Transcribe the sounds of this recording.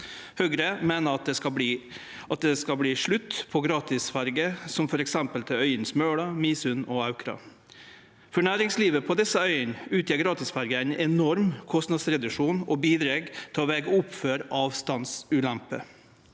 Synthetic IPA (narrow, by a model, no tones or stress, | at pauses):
høɡɾəmeːnəɑt̪̚d̪ɛkɑiː | ʔɑt̪̚d̪ɛskɑbliːʂɭʉt̪ːpʰɔɡɾɑːt̪ʰɪsfɑɾɡəsɔmfɔɾɛksɛmpəlt̪ʰɪœʏənsmøːɽɑmiːsʉnɔɑʉkʰɾɑ̰ | fɔɳæːɾɪŋsliːʋəpʰɔd̪ɛsəœʏənʉːt̪ʰjɛːɾɡɾɑːt̪ɪsfɑɾɡəæɪnɛnɔɾmkʰɔst̪nɑd̪sɾɛd̪ʉʂuːnɔbiːd̪ɾeːɡt̪ʰɪlɔʋeːɡəʊpføːɾʔɑːʋst̪ɑnsʉːlæmpə̰